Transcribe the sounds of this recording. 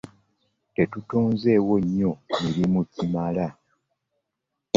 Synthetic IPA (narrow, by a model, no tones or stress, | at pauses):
te̞tutoːnze̞ːwo̞ɲːo̞miɾimucimala